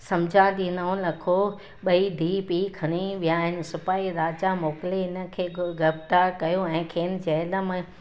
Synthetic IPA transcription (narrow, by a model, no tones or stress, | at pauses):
sɐmd͡ʑʱad̪iːnɐõlɐkʰo | ɓɐid̪ʱiːpiːkʰɐɽ̃iʋijaːɦɪnɪ̆sʊpaːiɾaːd͡ʑamoːkɪleɪnə̆kʰeːɡɐft̪aːɾkɐjoɛ̃ːkʰeːnɪ̆d͡ʑɛɪləm